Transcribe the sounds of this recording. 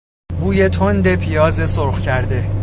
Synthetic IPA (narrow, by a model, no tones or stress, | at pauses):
buːje̞t̪ʰond̪e̞pʰijɒːze̞soɾxcʰæɾd̪e̞